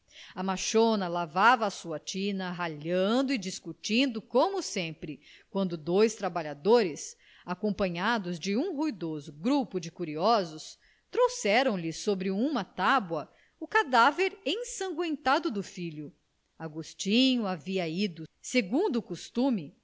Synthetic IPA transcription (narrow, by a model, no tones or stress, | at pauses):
ɐmaʃonɐlavavɐːsuɐt͡ʃĩnɐɦaʎɐ̃nd̪ʊɪd͡ʒiskut͡ʃĩnd̪ʊkõmʊsẽmpɾɪkwɐ̃nd̪ʊd̪ojst̪ɾabaʎad̪oɾɪs | akõpɐ̃ɲad̪ʊzd͡ʒɪũhujd̪ozʊɡɾupʊd͡ʒɪkuɾiɔzʊs | t̪ɾowsɛɾɐ̃w̃lɪsobɾɪũmɐt̪abwɐ | ukad̪aveɾẽj̃sɐ̃ŋɡwẽnt̪ad̪ʊd̪ʊfiʎʊ | aɡust͡ʃĩɲuaviɐid̪ʊseɡũnd̪ʊːkust̪umɪ